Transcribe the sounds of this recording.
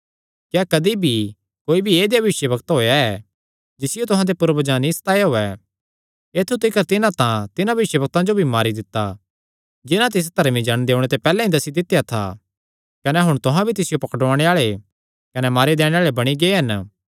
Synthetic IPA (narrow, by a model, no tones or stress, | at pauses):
kjaːkɐd̪ibʱi | koːibʱieːd̪jabɐʋɪʃjəbɐkt̪ɦoːjaɛ | d͡ʒɪsɪjot̪ʊɦãd̪epʊɾəbəd͡ʒãnːist̪aːjaɦoːɛ | eːt̪ʰːut̪ɪkəɾt̪ɪnãt̪ãt̪ɪnãbɐʋɪʃjəbɐk̚t̪ãd͡ʒobʱimaːɾid̪ɪt̪ːa | d͡ʒɪnãt̪̬ɪs̬t̪ɐɾmid͡ʒɐɽ̃d̪eːʊɽ̃et̪̬epɛːlɛ̃ĩd̪ɐsid̪ɪt̪ːjat̪ʰa̰ | kɐnɛɦʊɽ̃t̪ʊɦãbʱit̪ɪsɪjopɐkʈaːɽ̃eaːɭe | kɐnɛmaːɾid̪eːɽ̃ẽaːɭebɐɽ̃iɡeːɦɐn